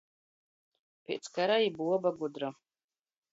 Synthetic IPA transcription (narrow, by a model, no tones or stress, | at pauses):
pʲḛt̪skaɾaibuɔbaɡud̪ɾa